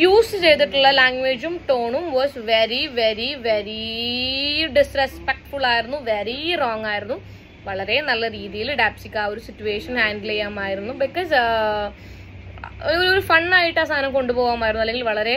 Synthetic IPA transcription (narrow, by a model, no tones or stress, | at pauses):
juːsɨt͡ɕe̞jt̪̬iʈːuɭːɐlaːŋɡʋeːd͡ʑumʈoːɳumʋoːsʋeɾiʋe̞ɾiʋeɾi | ɖisrespek̚ʈfuɭaːjiɾunːuʋeɾiroːŋaːjiɾunːu | ʋɐɭɐɾe̞nɐlːɐɾiːðijilɐɖaːpsikʲːaːo̞ɾusitːueːʂɐnhaːɳɖlejaːmaːjiɾunːubikːoːs | oooɾufɐɳːaːjiʈːast̪ʰaːnɐmko̞ɳɖupoːɣaːmaːjɾunːuɐlːe̞ŋɡilʋɐɭɐɾe̞